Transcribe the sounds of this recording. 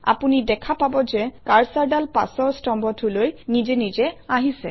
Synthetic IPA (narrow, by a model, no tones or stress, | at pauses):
a̰punidɛkʰapabɔzɛkaɹsaɹdalpa̰sɔɹstɔmbɔtʰulojnizɛnizɛaɦisɛ̰